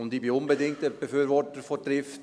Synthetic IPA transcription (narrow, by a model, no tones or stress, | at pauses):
ʊntiːbiʊnbədɪŋ̚təb̥əfyːɾvɔtəɾfɔdɾɪft